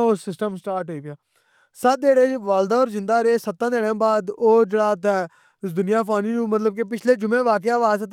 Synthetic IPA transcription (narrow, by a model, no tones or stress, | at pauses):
osɪsʈəmsʈaːɾʈɦoːiːpɪjaː | səeːɽeːʋaːld̪aːɔːɾzɪ̃nd̪aːɾeːsət̪ːãːd̪eːɽãːbaːd̪oːd͡ʒeːɽaːt̪ɛː | sd̪ʊnɪjaːpaːniːnũːmət̪̬ləb̚kepɪt͡ʃʰleːd͡ʒʊmẽːʋaːk̬ɪjaːʋaːsət̪